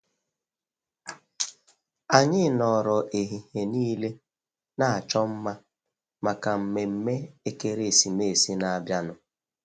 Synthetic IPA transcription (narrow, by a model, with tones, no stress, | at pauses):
a˨ɲɪ˦nɔ˨ɾɔ˨ʔe˨ɦi˨he˨niː˦le˦ | na˦a˨t͡ʃɔ˦m̩˦ma˦ | ma˨ka˨m̩˨me˨m̩˦me˦e˦ke˦ɾe˦˨si˨me˦˨si˦na˨a˨bja˦nʊ˦